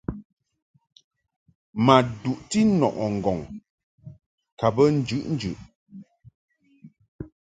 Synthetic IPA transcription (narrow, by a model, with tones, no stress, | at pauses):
ma˨du˨ʔti˦nɔ̰˨ʔɔ˨ŋ̩˨ɡɔ˨ŋ | ka˨bə˦n̩˦d͡ʒʉ˦ʔn̩˦d͡ʒʉ˨ʔ